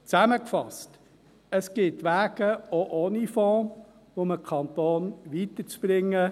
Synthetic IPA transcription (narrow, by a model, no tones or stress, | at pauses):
t͡sæməkfɑ̰st | əsɡ̥ɪtʋæːɡəoʔoːnifɔ̃ː | ʋoməkʰɑnt̪oːnʋit̪ət͡sb̥ɾɪŋːə